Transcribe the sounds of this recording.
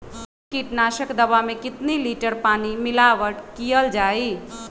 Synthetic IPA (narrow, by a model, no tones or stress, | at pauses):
kiʈnaʃəkd̪əbamekɪt̪niliʈəɾpanimilaʋəʈkijəld͡ʒaj